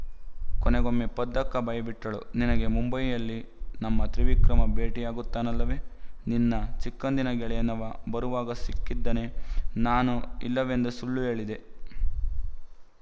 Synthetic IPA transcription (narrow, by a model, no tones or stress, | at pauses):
kɔnɛɡomːepɐd̪ːɐkːɐbɐjɐbiʈːɐɭuninɐɡe̞mumbɐjjɐlːinɐmːɐt̪ɾiʋikɾɐmɐbe̞ːʈijaːɡut̪ːaːnɐlːɐʋe̞ninːɐt͡ʃikːɐnd̪inɐɡɛɭɛjɐnɐʋɐbɐɾuʋaːɡɐsikːid̪ːɐne̞naːnuḭlːɐʋe̞nd̪usuɭːue̞ːɭid̪e̞